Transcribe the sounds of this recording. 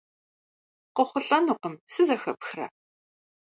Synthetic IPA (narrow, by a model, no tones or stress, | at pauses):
qəχʷʊɬʼɐnuːqəmsɨzɐxɐpxrɐ̰